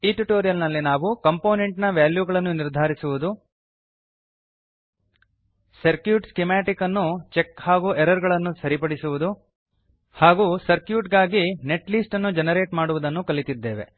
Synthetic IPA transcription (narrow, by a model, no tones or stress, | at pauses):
iːʈuʈoːɾijɐlnɐlːinaːʋukɐmpo̞ːne̞ɳʈnɐʋjaːljuɡɐɭɐnːuniɾd̪ʱaːɾisuʋud̪u | sɐɾkjuːʈskemaːʈikɐnːut͡ʃekhaːɡuʔɛɾɐɾɡɐɭɐnːusɐɾipɐɽisuʋud̪u | haːɡusɐɾkjuːʈɡaːɡine̞ʈliːsʈɐnːud͡ʒɛnɐɾe̞ːʈmaːɽuʋud̪ɐnːukɐlit̪id̪ːeːʋe̞̰